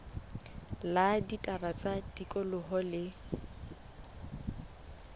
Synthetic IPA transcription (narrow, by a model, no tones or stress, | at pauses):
laditʼarat͡sʼadikʼɔlʊɦɔlɪ